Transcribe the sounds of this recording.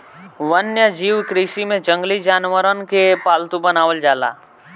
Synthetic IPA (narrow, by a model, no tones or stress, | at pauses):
ʋənjəd͡ʒiːʋkɾiːʃimẽd͡ʒə̃ŋɡlid͡ʒaːnʋəɾənkepaːlt̪ũbənaːʋəld͡ʒaːla̰ː